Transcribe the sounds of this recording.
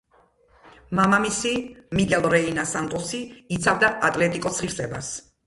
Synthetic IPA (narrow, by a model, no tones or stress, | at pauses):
mamamisimikʼɛlˠɾɛinasant̪ʼɔsiːt̪sʰavd̪aʔat̪ʼlɛt̪ʼikʼɔsχiɾsʼɛba̰s